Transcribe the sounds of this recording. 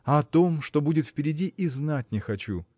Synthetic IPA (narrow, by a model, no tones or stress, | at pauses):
ɐɐt̪o̞mʂt̪o̞budʲɪt̪fpʲɪɾʲɪdʲiʔiznat̚ʲnʲɪxɐt͡ɕṵ